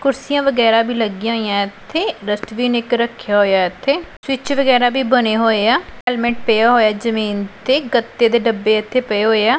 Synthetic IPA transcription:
kʊɾsijãːʋəɡɛːɾaːbʱiːləɡijãːɦoijãːɪt̪ʰːeːɾəsʈʋiːnɪkɾəkʰːjaːɦoːjaːɪt̪ʰːeːsʋɪt͡ʃʋəɡɛːɾaːbiːbəneːɦoːeːaːɛːlmẽːʈ̚pejaːɦoːjaːd͡ʒəmiːnt̪eːɡət̪ːeːd̪eːɖəbːeːɪt̪ʰːeːpəeːɦoːeːaː

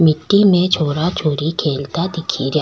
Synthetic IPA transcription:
mɪʈːimẽt͡ʃʰoːɾat͡ʃʰoːɾikʰeːlt̪ad̪ɪkʰiɾja

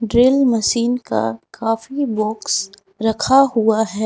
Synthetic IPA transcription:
ɖɾɪlmɐʃiːnka̰kʰaːfibɔːks | ɾɐkʰaɦuaɦɛː

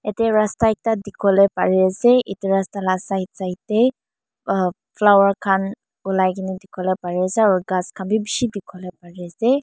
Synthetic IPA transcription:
ɛtɛɹastajk̚tadikʰɔlɛpaɹiasɛʔitiɹastalasaitsaitɛ | pʰlawaɹkʰan | ulajkʰinidikʰɔlɛpaɹiasɛaɹuɡaskʰanbibiʃidikʰɔlɛpaɹiasɛ

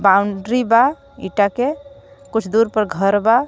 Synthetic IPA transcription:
bauɳɖɾiba | ḭʈakekut͡ʃʰd̪uɾpəɾɡʱəɾba

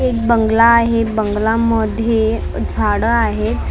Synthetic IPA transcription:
ek̚bəŋɡlaːɦebəŋɡlaməd̪ʱje | d͡zʱaɽəaɦet̪

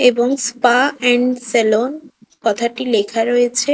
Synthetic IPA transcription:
eboŋspaɛɳɖselonkɔt̪ʰaʈilekʰaɾoet͡ɕʰe

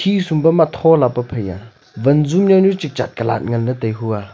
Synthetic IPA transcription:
isumbɐmat̪ʰɔlapɐpʰəja̰ | vɐnzumnawnurt͡ʃik̚t͡ʃa̰t̪̚kɐla̰t̚ŋɐndətɐjɦua

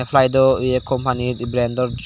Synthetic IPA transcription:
epʰlajd̪ɔɯjekɔmpanit̪ibɾɛnd̪ɔɾd͡ʒ

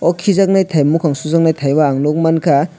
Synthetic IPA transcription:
ɔkʰizak̚najtʰajmukʰaŋsuzak̚najtʰajbaːŋnok̚mankʰa

